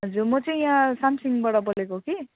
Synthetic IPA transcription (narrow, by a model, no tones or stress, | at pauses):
ɦʌd͡zurmʌt͡sʌĩjãsamsiŋbʌɽʌbʌlekoki